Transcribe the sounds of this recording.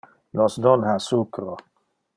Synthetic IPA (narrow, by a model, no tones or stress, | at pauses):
nɔsdɔnhasukɾo